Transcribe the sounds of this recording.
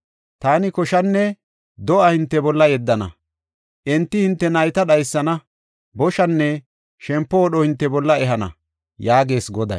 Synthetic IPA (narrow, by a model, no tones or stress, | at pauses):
t̪aːnɪkɔʃɐnːɛ | d̪ɔʔɐhɪnt̪ːɛbɔlːɐjɛd̪ːɐnɐ̰ | ʔɛnt̪ːɪhɪnt̪ːɛnɐjt̪ɐɗɐjsːɐnɐ | bɔʃɐnːɛ | ʃɛmpːɔːɗɔhɪnt̪ːɛbɔlːɐɛɦɐnɐ̰ | jaːɡe̞ːsɡɔd̪ɐ̰j